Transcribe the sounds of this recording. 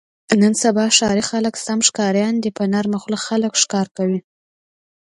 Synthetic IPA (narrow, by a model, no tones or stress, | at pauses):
nənsabɑʃɑɾixaləksamʂkɑɾjɑnd̪əpənaɾmaxlaxaləkʂkɑɾkawi